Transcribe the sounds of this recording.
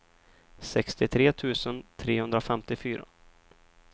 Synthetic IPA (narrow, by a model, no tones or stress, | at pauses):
sɛkst̪ɪt̪ʰɾeːt̪ʰʉ̟ːsənt̪ʰɾeːhɵnd̪ɾafɛmt̪ɪfyːɾa̰